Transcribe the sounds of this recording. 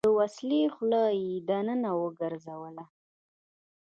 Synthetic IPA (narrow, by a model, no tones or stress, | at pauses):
d̪əwaslexlɑjed̪anənawəɡəɾzawəla